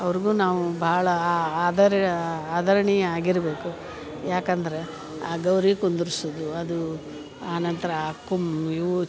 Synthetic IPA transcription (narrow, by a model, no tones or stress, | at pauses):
ɐʋɐɾiɡuːnaːʋubʱaːɭɐaːd̪ɐɾaːd̪ɐɾɐɳiaːɡiɾɐbe̞ːku | jaːkɐnd̪ɐɾe̞ | aːɡɐwɾiːkond̪uɾisod̪uɐd̪u | aːnɐnt̪ɐɾɐkːumi